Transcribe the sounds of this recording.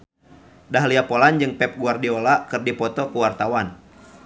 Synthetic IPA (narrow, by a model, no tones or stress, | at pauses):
daɦliapɔland͡ʒɨŋpɛp̚ɡuardiɔlakɨrdipɔt̪ɔkuwart̪awan